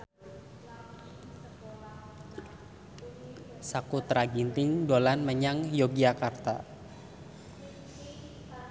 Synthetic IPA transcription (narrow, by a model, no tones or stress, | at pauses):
sakut̪ɾaɡint̪ɪŋdolanməɲaŋjoɡakart̪a̰